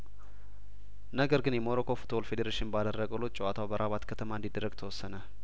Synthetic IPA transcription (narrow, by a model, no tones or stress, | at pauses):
nəɡəɾɡɨnjɛmoɾokʰo̞fu̥t̪ʰolfed̪eɾeʃɪnbad̪ərːəɡəlːut͡ʃʼɛwat̪ʰawbəɾʔaβat̪kʰət̪ʰəmaɨnd̪id̪ːərːəɡt̪ʰəwɔsːənə